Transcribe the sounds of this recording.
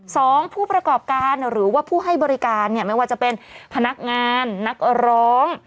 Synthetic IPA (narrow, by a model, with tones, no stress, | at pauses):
sɔː˩˦ŋpʰuː˥˩pɾa˧kɔː˨˩p̚kaː˧nɾɯː˩˦waː˥˩pʰuː˥˩ɦa˥˩jbɔː˧ɾi˦˥kaː˧nːi˥˩ɐma˥˩waː˥˩t͡ɕa˨˩pe˧npʰa˧na˦˥k̚ŋaː˧nːa˦˥k̚ɾɔː˦˥ŋ